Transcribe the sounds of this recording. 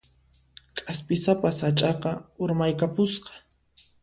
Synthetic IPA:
kʼaspɪsapashat͡ʃʼɑqɑʊɾmajkapʊsqɑ̥

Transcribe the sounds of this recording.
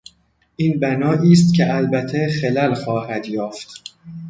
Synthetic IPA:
ʔiːnbænɒːʔiːst̪cʲʰeælbæt̪ʰexelælxɒːhæd̪jɒːft̪

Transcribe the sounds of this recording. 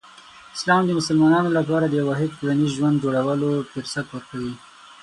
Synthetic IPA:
ɪ̥slɑmd̪əmʊsəlmɑnɑnolapɑɾad̪əjawɑɦɪd̪̚kulanizʒwand̪̚d͡ʒoɽawəlofɪɾsat̪wəɾkawi

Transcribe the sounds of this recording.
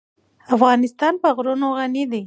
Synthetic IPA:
afɣɑnɪst̪ɑnpəɣɾunoɣanid̪i

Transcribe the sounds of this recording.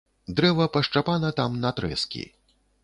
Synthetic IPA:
d̪ɾɛvɐpɐʂt͡ʂapanɐt̪amnɐt̪ɾɛ̰skʲḭ

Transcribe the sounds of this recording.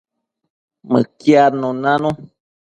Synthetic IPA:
mɨ̰kjanõnãnõ

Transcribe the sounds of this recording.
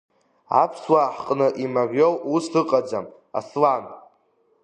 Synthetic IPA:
a̰pʰswaħqʼnɨʔimarjowustɨqʼad͡zam | a̰slan

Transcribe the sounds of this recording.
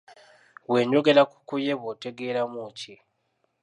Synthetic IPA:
we̞ːɲɟo̞ɡe̞laku̥kujeβote̞ɡeːlamuci

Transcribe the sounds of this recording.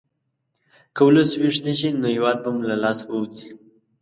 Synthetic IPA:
kawulaswiʂnəʃinojiwɑd̪̚bamlalɑswəwt͡si

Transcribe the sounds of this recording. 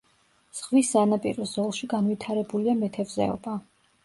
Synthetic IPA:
z̥ʁvisanapʼiɾɔzɔlˠʃiɡanvit̪ʰaɾɛbuliamɛt̪ʰɛvzɛ̰ɔ̰ba

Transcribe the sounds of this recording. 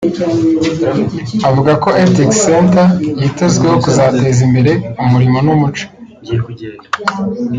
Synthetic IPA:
avuɡako̞ʔetikseːntajitezɡwe̞ho̞kuzaːte̞zimbe̞ɾe̞umuɾimonumut͡ʃo̥

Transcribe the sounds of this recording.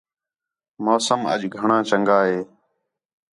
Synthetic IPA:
moːsəmə̰ʄɡʱəɳãːt͡ʃəŋɡaːɦeː

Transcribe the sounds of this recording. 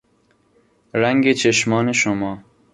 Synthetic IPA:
ɾaŋɡet͡ʃeʃmɑːneʃʊmɑː

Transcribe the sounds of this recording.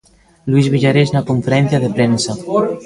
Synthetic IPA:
luizβiʒaɾeznakuɱfeɾɛnθjaðepɾɛnsa

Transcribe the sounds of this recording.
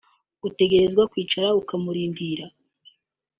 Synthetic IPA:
ɡ̥ute̞ɡe̞ɾe̞zɡwakwiːt͡ʃaɾaukamuɾiːndiːɾa

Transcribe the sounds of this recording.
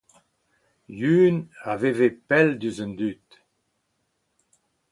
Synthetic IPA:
jyːnavevepɛld̪yzœnd̪yt̪

